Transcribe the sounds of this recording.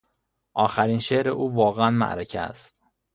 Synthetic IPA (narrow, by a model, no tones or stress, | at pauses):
ʔɒːxæɾiːnʃeʔɾeʔuːvɒːɣeænmæ̰ʔɾecʰæ̰æ̰st̪